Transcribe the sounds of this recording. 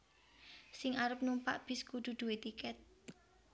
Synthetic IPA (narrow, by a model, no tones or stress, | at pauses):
sɪŋaɾəp̚numpaʔb̥ɪ̤skud̪̥ṳd̪̥ṳwet̪ikɛt̪̚